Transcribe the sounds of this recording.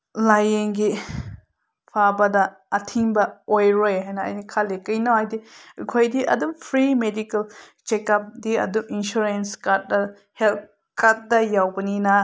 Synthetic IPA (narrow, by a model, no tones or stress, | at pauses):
lajeŋɡi | pʰabɐdɐː | tʰiŋbɐojɾojɦajnɐɐ̰jnikʰalekɐjnawajdikʰojdiʔɐ̰dumpʰɾimedikɐl | t͡ʃekap̚diɐ̰duminʃuɾenskat̚dɐ | hel | kat̚dɐjawbɐninɐ